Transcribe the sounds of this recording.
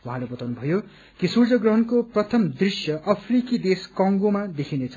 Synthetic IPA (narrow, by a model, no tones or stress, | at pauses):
wãɦãlebʌt̪awnubʱʌjo | kisurd͡zʌɡrʌɦʌnkoprʌt̪ʰʌmd̪risjʌʔʌpʰrikid̪eskʌ̃ŋɡomad̪ekʰinet͡sʰʌ